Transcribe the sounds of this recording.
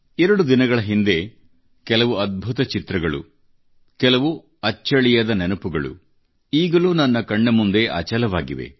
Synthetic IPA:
ɛɾɐɽud̪inɐɡɐɭɐɦind̪e̞ | kɛlɐʋuɐd̪̚bʱut̪ɐt͡ʃit̪ɾɐɡɐɭṵ | kɛlɐʋu | ɐt͡ʃːɐɭijɐd̪ɐnenupuɡɐɭṵ | iːɡɐluːnɐnːɐkɐɳːɐmund̪e̞ʔɐ̰t͡ʃɐlɐʋaːɡiʋḛ

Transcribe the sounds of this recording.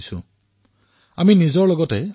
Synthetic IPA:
sʊ̰̃ | aminizɔɹlɔɡɔtɛ

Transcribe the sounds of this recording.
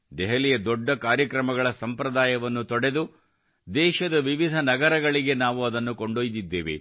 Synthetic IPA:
d̪ɛɦɐlijɐd̪ɔɖːɐkaːɾjɐkɾɐmɐɡɐɭɐsɐmpɾɐd̪aːjɐʋɐnːut̪ɔɽe̞d̪u | d̪ɛːʃɐd̪ɐʋiʋid̪ʱɐnɐɡɐɾɐɡɐɭiɡe̞naːʋuɐd̪ɐnːukoɳɖoːjd̪id̪ːeːʋḛ

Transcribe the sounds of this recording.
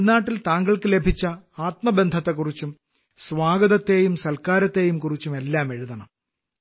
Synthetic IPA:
nːaːʈːilt̪aːŋɡɐɭkɨle̞bʱit͡ɕːɐaːt̪mɐbe̞nd̪ʱɐt̪ːekːurit͡ɕːum | sʋaːɡɐðɐt̪ːe̞ːjumsɐlkaːɾɐt̪ːe̞ːjumkurit͡ɕːume̞lːaːme̞ɻuðɐɳɐm

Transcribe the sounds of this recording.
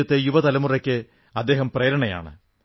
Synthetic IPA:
ɐt̪ːejuʋɐt̪ɐlɐmurɐkʲːɨ | ɐd̪ːe̞ːɦɐmpreːɾɐɳɐja̰ːɳɨ̰

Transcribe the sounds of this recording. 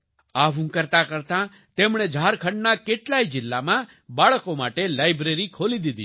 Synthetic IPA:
aʋ̤ũkəɾt̪akəɾt̪ã | t̪emɽ̃ed͡ʒʱaːɾkʰəɳɖnakeʈlaid͡ʒɪlːamã | baɭəkomaʈelajbɾeɾikʰolid̪id̪i

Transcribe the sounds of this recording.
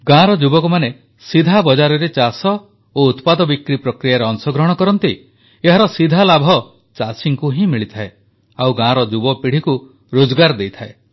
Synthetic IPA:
ɡãɾɔd͡ʒubɔkumane | sid̪ʱabɔd͡ʒaɾɔɾet͡ʃasɔ | out̪pad̪ɔbikɾipɾɔkɾijaɾeɔŋsɔɡɾɔɦɔɽ̃ɔkɔɾɔnt̪i | eɦaɾɔsid̪ʱalabʱɔ | t͡ʃasiŋkuɦĩmiɭit̪ʰae | awɡãɾɔd͡ʒubɔpiɽ̤iku | ɾod͡ʒɔɡaɾd̪ejt̪ʰae

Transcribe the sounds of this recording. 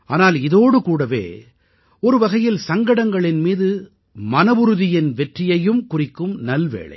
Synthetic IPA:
ʔa̰ːnaːlɪðoːɽɯkuːɽɐʋḛː | ɔɾɯʋɐɣɐjɪlsɐŋɡɐɽɐŋɡɐɭɪnmiːðɯ | mɐnɐʋɯɾɯðɪjɪnʋɛʈrɪjɐjɯmkʊrɪkːɯmnɐlʋḛːɭɐ̰ɪ

